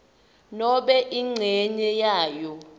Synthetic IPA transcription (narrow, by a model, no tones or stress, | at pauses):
nɔɓɛʔiŋ͡ǀʱɛɲɛjaːjɔ